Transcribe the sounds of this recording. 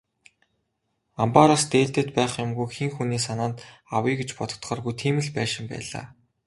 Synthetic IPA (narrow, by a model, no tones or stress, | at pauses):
ampaɾast̪eːɮt̪ĕt̪pæːχjʊmɡujxiŋxuniːs̬anaːnt̪awiːɡet͡ɕpɔt̪ɞ̆t̪χɔːrɣujt̪ʰiːmɘ̆ɮpæːʃɪ̆mpæ̰ːɮa̰ː